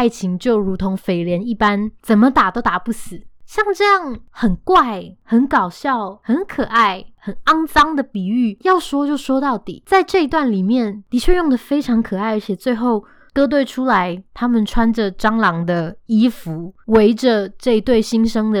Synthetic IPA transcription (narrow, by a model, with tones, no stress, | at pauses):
a˥˩ɪt͡ɕʰi˧˥ŋt͡ɕjo˥˩ʊɻu˧˥t̪ʰo˧˥ŋfe˨˩ɪljɛ˧˦˥ni˥˩pa˦nt͡sə˨˩nmə˦t̪a˨˩t̪o˥ʊt̪a˨˩pu˥˩sɹ̩˨˩˦ɕjɑ˥˧ŋʈ͡ʂɤ˥˧jɑ˥˩ŋxə˨˩nkwa˥˩ɪhə˨˦nkɑ˨˩ʊɕjɑ˥˩ʊhə˨˧˥nkʰɤ˨˩a˥˩ɪxə˨˩nɑ˥ŋsɑ˥ŋd̪ə˨pi˨˩y˥˩jɑ˥˩ʊʂwɔ˥t͡ɕjo˥˩ʊʂwɔ˥t̪ɑ˥˩ʊt̪ḭ˨˩˦t͡sa˥˧ɪʈ͡ʂɤ˥˧i˧˥t̪wa˥˩nli˨˩mjɛ˥˩nt̪i˨˩t͡ɕʰɥɛ˥˧jʊ˥˩ŋd̪ə˨˩fe˥ɪʈ͡ʂʰɑ˧˥ŋkʰɤ˨˩a˥˩ɪə˧˥t͡ɕʰjɛ˨˩t͡swe˥˧ɪxo˥˩ʊ | kɤ˥t̪̬we˥˩ɪʈ͡ʂʰu˥la˧˦ɪt̪ʰa˥mə˨nʈ͡ʂʰwa˥nd͡ʒə˨ʈ͡ʂɑ˥ŋlɑ˧˥ŋd̪ə˨i˥fu˨˦we˧˥ɪʈ͡ʂə˨ʈ͡ʂɤ˥˩i˧˥t̪we˥˩ɪɕi˥nʂɤ˥ŋd̪ə˨